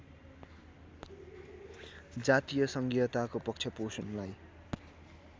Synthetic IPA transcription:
d͡zat̪ijʌsʌŋɡijʌt̪akopʌk̚t͡sʰjʌposunlaj

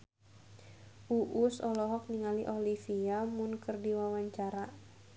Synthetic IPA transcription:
ʔuʔusɔlɔɦɔk̚niŋaliʔolifiamʊnkərdiwawaɲt͡ʃaɾa

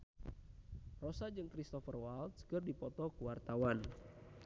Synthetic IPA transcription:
rɔsad͡ʒɨŋkɾist̪ɔfərwalt̪̚skɨrdipɔt̪ɔkuwart̪awan

